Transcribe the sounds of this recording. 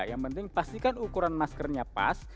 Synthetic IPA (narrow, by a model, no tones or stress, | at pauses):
jaŋpənt̪ɪŋpast̪ikanukuɾanmaskərɲapa̰s